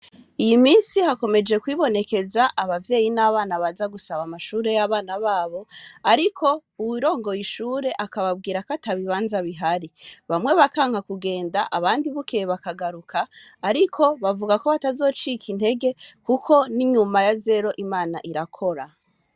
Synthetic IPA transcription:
ijimiːnsihako̞me̞d͡ʒe̞kwiβo̞ne̞ke̞zaʔaβavje̞ːjinaβaːnaβazaɡusaβamaʃuːɾe̞jaβaːnaβaːβo̞aɾikʰo̞uwiɾo̞ːŋɡo̞jiʃuːɾe̞ʔakaβab̚ɡiːɾakataβiβaːnzaβiɦaɾiβamwe̞βakaːŋhakuɡe̞ːndaʔaβaːndiβukeβakaɡaɾukʰaːɾikʰo̞βavuɡako̞βatazo̞ːt͡ʃikʰin̥he̞ɡe̞kukʰo̞niɲumajaze̞ɾo̞ʔimaːna̰ʔiɾakʰo̞ɾa

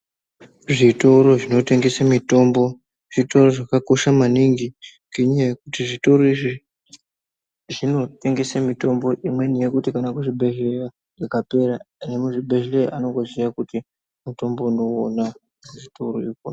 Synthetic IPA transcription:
ʐito̞ɾo̞ʐino̞te̞ŋɡe̞samito̞mbo̞ | ʐ̥ito̞ro̞ʐakako̞ʃamaniŋɡi | ŋɡeɲaaje̞kutiʐito̞ɾo̞iʐi | ʐino̞te̞ŋɡe̞samito̞mbo̞ʔimwe̞nije̞kutikanakuʐibʱe̞ɮera | ekape̞ɾane̞muʐibʱe̞ʐelera̰ʔano̞ŋɡo̞zijakuti | muto̞mbo̞uno̞ːna | ʐito̞ɾoiko

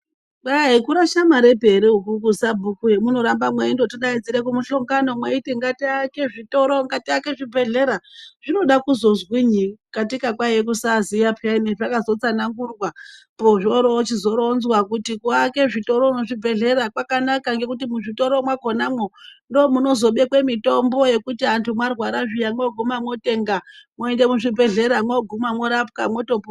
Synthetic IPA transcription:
aɦekuɾaʃamaɾe̞bʱe̞ɾeukuk̬usabʱukujemuno̞ɾambamweindotiɗaid͡ziɾekumuɬoŋɡano̞mweiteŋɡatiake̞ʐito̞ɾoŋɡatiake̞ʐibʱe̞ɮe̞ɾaʐ̥ino̞ɗakuzo̞zwiɲikatikakwajek̬usazijapʰaimeʐakazo̞t͡sanaŋɡurwa | poʐoɾot͡ʃizo̞ɾonzwakutikuake̞ʐito̞ɾo̞noʐibʱe̞ɮe̞ɾakwakanakaŋɡe̞kutimuʐito̞ɾo̞mwako̞namwondoːmuno̞zo̞ɓe̞kwe̞mito̞mbo̞je̞kutiantʰumwarwaɾaʐijamwoɡʱumamwo̞te̞ːŋɡamoende̞muʐibʱe̞ɮe̞ɾamwoɡʱumamwoɾap̚kamwo̞to̞po

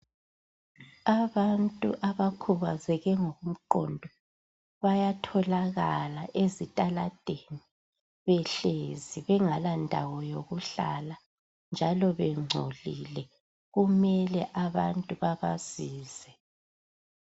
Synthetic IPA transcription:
aβantʼṵʔaβakʰuβazɛɣɛŋoɣum̩ǃɔ̰ndʱɔ | βajatʰɔlaɣalaʔezitʼalad̥ʱeni | βɛɬeziβɛŋalandʱa̰wɔjoɣuɬala | nd͡ʒʱalɔβɛŋ͡ǀʱo̰lilɛ | ɣumɛlɛʔaβa̰ntʼuβaβaz̥iːz̥ɛ

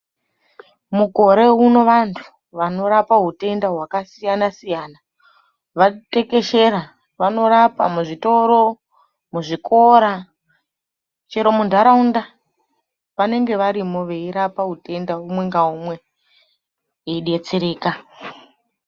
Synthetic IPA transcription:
muko̞ɾe̞uno̞ʋantʰu̥ | ʋano̞ɾapaɦute̞ndaɦwakasijanasijaːna | ʋate̞ke̞ʃe̞ɾa | ʋano̞ɾapa̰muʐito̞ɾo̞ | muʐikʰo̞ɾa | t͡ʃeɾo̞mundʱaɾaunda | ʋane̞ŋɡe̞ʋaɾimo̞ʋe̞iɾapaɦute̞ndaumwe̞ŋɡaumwe̞ | eɗet͡seɾeːka

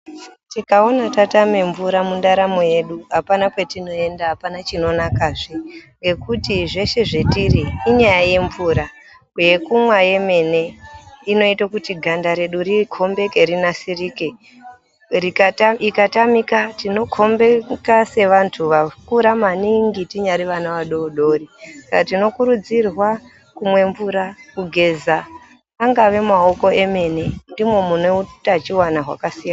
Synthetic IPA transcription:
tikao̞natatame̞ɱvuɾamundaɾamoje̞ɗuɦapanapwe̞tino̞e̞ndaɦapanat͡ʃino̞nakaːʐiŋɡe̞kutiʐe̞ʃe̞ʐe̞tiriːɲajaje̞ɱvuːɾa | kjekumwaje̞me̞ne̞ino̞itakutiɡʱandaɾe̞ɗurikʰo̞mbe̞ke̞ɾinasiriːke | rikikatamikatino̞kʰo̞mbekase̞ʋantʰuʋakuɾamaniŋɡitiɲaɾiʋanaʋaɗoɗo̞ːrisakatino̞kuɾud͡zirwa | kumwe̞ɱvuɾakuɡʱe̞zaː | ŋɡaʋe̞maoko̞e̞me̞ne̞ndimwe̞muneutat͡ʃiwanaɦwa̰kasijana

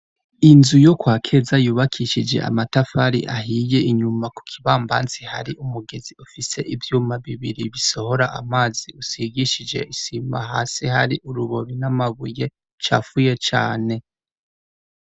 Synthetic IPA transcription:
inzujo̞kwaːkʰe̞zajuːβakʰiʃid͡ʒe̞̰ʔa̰matafaɾḭʔaɦiːje̞iɲumaku̥kʰiβaːmba̰ːnt͡siha̰ɾiʔumuɡeziufise̞ʔivjuːmaβiβiɾiβiso̞ho̞ɾaʔa̰maːziusiɡiʃid͡ʒe̞̰isima̰ɦaːsiɦaɾiʔuɾuβoɾinamaβuje̞ | t͡ʃa̰fuje̞t͡ʃa̰ːne̞

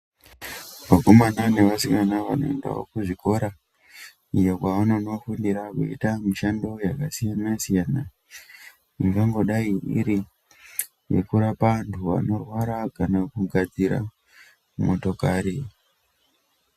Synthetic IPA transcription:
makomananeʋasikanaʋano̞̰enda̰wo̰kuʐiko̞ɾa | ijakwaʋano̞no̞fundiɾakṵḭtamiʃando̞jakasijanasijana | mikaŋɡo̞ɗaiʔḭɾi | je̞̰kuɾapantʰuʋa̰no̞rwaɾakanakuɡʱad͡ziɾa̰ | mumo̞to̞kaːɾe

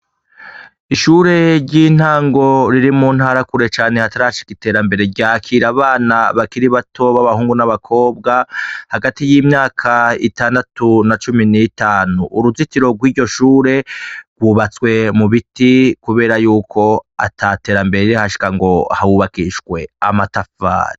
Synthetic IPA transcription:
iʃuɾe̞ɾɟiːn̥aːŋɡo̞ɾiɾimun̥haːɾakuɾe̞t͡ʃaːne̞hataɾaʃi̥kite̞ːɾambe̞ɾe̞ɾɟaːkʰiːɾaβaːnaβakiɾiβatʰo̞βaβahuːŋɡunaβakʰo̞ːbɡahaɡatijiːmɲaːkʰaitaːndatunat͡ʃuminitaːnuʔːɾuzitiɾo̞ɡwiːɟo̞ʃuːɾe̞ɡwuːβat͡swe̞muβitikuβe̞ːɾajuːkʰo̞a̰tʰate̞ːɾambe̞ɾeiɾihaʃi̥kaŋɡo̞hawuβakiʃwe̞a̰matafa̰ːɾi

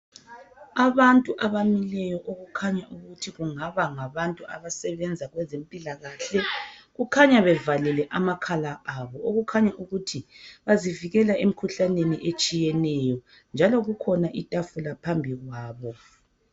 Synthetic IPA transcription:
aβantʼuʔaβamilɛjɔʔoɣukʰaɲaʔuɣutʰiɣuŋaβaŋaβantʼuʔa̰βasɛβɛnd͡zʱaɣwɛzempʼilaɣaɬɛɣukʰaɲaβɛvalɛlɛʔamakʰalaʔaβɔoɣukʰaɲaʔuɣutʰiβaziviɣɛlaʔem̩kʰuɬaneniʔet͡ʃʼijɛnɛjɔ | nd͡ʒʱalɔɣukʰɔnaʔitʼafulapʰambʱiɣwaːβɔ

